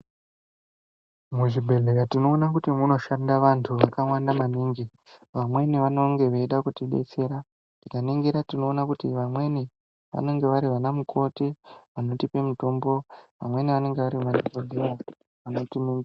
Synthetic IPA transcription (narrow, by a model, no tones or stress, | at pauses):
muʐibʱe̞ɮe̞katino̞ːnakutimuno̞ʃandaʋantʰuʋakawandamaniːŋɡi | ʋamwe̞niʋano̞ŋɡe̞ʋeiɗakutiɗe̞̰t͡se̞ɾa | tikaniŋɡiɾatino̞ːnakutiʋamwe̞ni | ʋa̰ne̞ŋɡe̞ʋaɾiʋanamukʰo̞tiʋano̞tipe̞muto̞mbo̞ʋa̰mwe̞niʋane̞ŋɡe̞ʋaɾiʋanikodʱera | ʋano̞tiniŋɡ